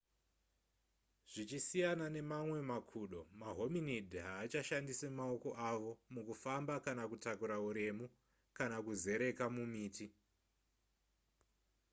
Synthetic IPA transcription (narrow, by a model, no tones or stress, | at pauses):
ʐ̥it͡ʃisijanane̞mamwe̞makʰuːɗo̞maɦo̞minidʱiɦaːt͡ʃaʃandisemaoko̞ʔaʋo̞mukufambakanakutakuɾauɾe̞mu | kanakuze̞ɾe̞kamumiːti